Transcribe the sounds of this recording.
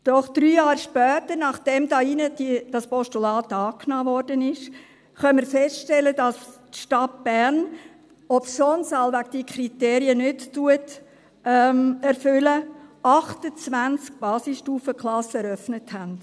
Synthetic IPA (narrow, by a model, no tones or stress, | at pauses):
d̥ɔχd̥ɾyːjɑːɾʃpœːtəɾnɑχd̥ɛmdɑinədid̥ɑspɔʃtulɑːtɑːknɑːvɔɾdənɪʃ | χœnməɾfɛsʃtɛləd̥ɑstʃtɑt̚b̥æɾn | ɔpsɔnsɑlʋæɡd̥iəkʰɾiteːɾiənʏttuətː | ɛɾfʏləɑχtət͡svænt͡sk̚b̥ɑːsisʃtuːfəkχlˠɑsɛɾœfnəthænd̥